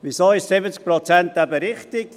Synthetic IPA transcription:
ʋisoːɪʃsɪbət͡sk̚pɾɔt͡sænt̪æbəɾɪχt̪ɪk

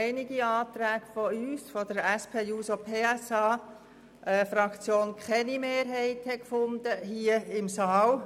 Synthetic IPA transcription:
ɪnɪɡiɑːt̪ɾæːɡ̥fɔyːsfɔd̥əɾɛspʰeːjuːsopʰeːɛsɑː | ɛːfɾɑkt͡sjoːnkʰχɛnimeːɾɦɛɪthɛkfʊndəɦiəɪmsɑːl

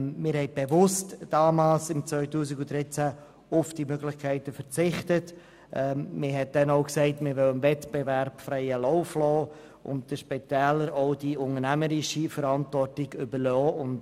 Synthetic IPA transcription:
mɪːɾhɛɪt̚b̥evʊstd̥ɑːmaːlsɪmt͡svœʏtuːsikʊd̥ɾɪt͡sæ | ʊfd̥imøɡlɪχkʰæɪtəfət͡sɪχtət | ʔɛmɪɦɛt̚d̥ɛnɔʊksɛɪtmɪɾʋœlənvɛtb̥evɛɾpfɾɛɪəlɔʊflɔː | ʔʊ̰nt̚d̥əʃpɛtɛːləɾɔʊd̥iʊŋənæməɾɪʃifəɾɑntvɔrtɪɡʏbəɾlɔːʊnt

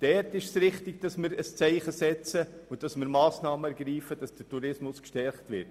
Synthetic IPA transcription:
d̥ɛɾtɪʃsɾɪχtɪɡ̚d̥ɑsmɪɾəst͡sɛɪχəsɛt͡səʊd̥ɑsmɪːɾmɑːsnɑːməɛɾɡ̥ɾiːfəd̥ɑsd̥ətuɾɪsmʊskʃtɛɾχtʋɪɾt

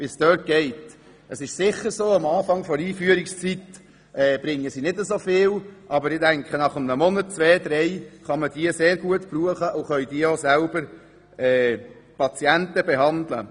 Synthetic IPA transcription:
visd̥œːt̚ɡ̥ɛɪt | ʔəsɪʃsɪχːəɾsoːɑmɑːfɑŋfɔɾiːfyəɾɪkst͡sit | ʔɛːb̥ɾɪŋːəsinɪdəzofɪːlʔɑbəɾɪdæŋkχənɑχəmnəmɔnətt͡sʋɛːd̪ɾɛɪχɑməd̥iəseːɾɡuətb̥ruːəχəʔʊχœʏd̥iəozælbəɾ | ɛːpʰɑt͡siɛntəbɛɦɑnd̪lə̰

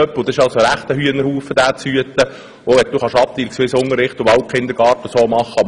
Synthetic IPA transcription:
œpːlʊd̪ɛɪʃɑlsoəɾæχt̪əhyːənəɾhuːfːəd̥̪æːt͡shyət̪ə | oʋɛt̪̚d̥̪uːχɑʃɑp̚t̪iːlksʋɪsʊŋəɾɪχt̪ʊbɑwt̚kʰχɪnd̪əɾɡ̥ɑːɾtəsoːmɑχːəɑb

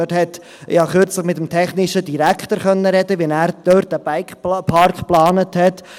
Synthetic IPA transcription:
øthɛt | jɑχʏɾt͡sləχmɪtəmtʰɛχnɪʃədiɾækχt̪əɾχœnːəɾɛdəʋɛnæːɾd̥øːɾt̚d̥əbaɪkχpʰɑɾkχplɑːnəthɛt

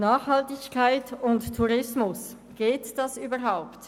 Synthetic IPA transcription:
naːχhɑltɪçkʰaɪtʊnttʰːuʁɪsmʊs | ɡ̥eːtd̥ɑsyːbəʁɦaʊpt

